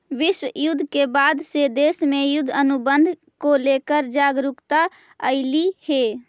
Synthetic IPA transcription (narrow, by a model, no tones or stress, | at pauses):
ʋiswəjud̪ʱːkebad̪sed̪esmejud̪ʱənubənd̪ʱ | kolekəɾd͡ʒaɡɾukt̪a | əɪlihe